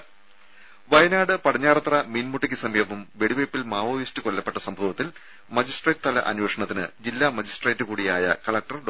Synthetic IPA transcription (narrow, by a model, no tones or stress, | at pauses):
ʋɐjɐnaːɽɨpɐɽɐɲːaːrɐt̪rɐmiːnmuʈːikʲːɨsɐmjɐʋumʋe̞ɽiʋejpːilmaːʋoːʋjistɨkolːɐpːe̞ʈːɐsɐmbʱɐʋɐt̪ːil | mɐd͡ʑisʈrejtɨt̪ɐlɐ̰ʔɐ̰nweːʂɐɳɐt̪ːinɨ̰d͡ʑilːamɐd͡ʑisʈrejtːɨkuːɽijaːjɐ̰kɐɭɐk̚ʈɐrɖ